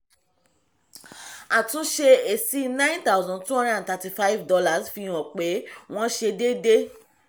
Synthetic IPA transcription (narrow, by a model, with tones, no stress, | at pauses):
a˨tũ˨˦ʃe˧e˨si˦nã˦ĩ˦nt̪a˦zɔ̃˦˨ntũ˦ɔ̃˦da˦da˨ta˧ti˨fa˦i˦vdɔ˧la˦˨sfĩ˧˦ɔ̃˨k͡pe˨˦w̃ɔ̃˦ʃe˧de˦de˦